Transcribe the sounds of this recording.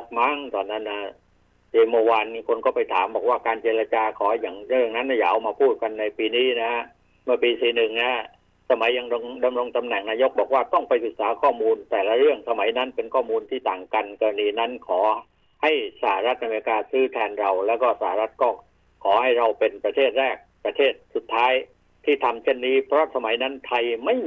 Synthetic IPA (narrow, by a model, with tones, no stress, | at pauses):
k̚ma˦˥ŋt̪ɔː˧nːa˦˥nːa˦˥˩ | t͡ɕeː˧mu˧waː˧nkʰo˧nkɔː˥˩pa˧jt̪ʰaː˩˦mbɔː˨˩k̚waː˥˩kaː˧nt͡ɕe˧ɾa˧t͡ɕaː˧kʰɔː˩˦jaː˨˩ŋɾɯ˥˩əŋna˦˥nːa˦˥˩ja̰ː˧˩ʔa˧wmaː˧pʰuː˥˩t̪̚ka˧nːa˧jpiː˧niː˦˥na˦˥a˦˥ | mɯ˥˩piː˧siː˨˩nɯ˨˩ŋna˦˥ | sa˧ma˨˦jːa˧ŋɾo˧ŋda˧mɾo˧ŋt̪a˧mnɛ˨˩ŋnaː˧jo˦˥k̚bɔː˨˩k̚waː˥˩t̪ɔ˥˩ŋpa˧jsɯ˨˩k̚saː˨˦kʰɔː˥˩muː˧nt̪ɛː˨˩la˧˥ɾɯ˥˩əŋsa˧ma˩˦jna˦˥npe˧nkʰɔː˥˩muː˧nt̪ʰiː˥˩t̪aː˨˩ŋka˧nkɔ˧ɾa˧niː˧na˦˥nkʰɔː˩˦ | ha˥˩jsa˧˩ha˧ɾa˦˥t̪̚ʔa˧meː˧i˧kaː˧sɯː˦˥t̪ʰɛː˧nɾa˧wlɛː˦˥wkɔː˥˩sa˧˩a˧ɾa˦˥t̪̚kɔː˥˩ | kʰɔː˩˦ha˥˩jɾa˧wpe˧npɾa˧t̪ʰeː˥˩t̪̚ɾɛː˥˩k̚pɾa˧t̪ʰeː˥˩t̪̚su˨˩t̪ʰːaː˦˥j | t̪ʰiː˥˩t̪ʰa˧mt͡ɕʰe˥˩nːiː˦˥pʰɾɔ˦˥sa˧ma˨˦jna˦˥nt̪ʰa˧jma˥˩j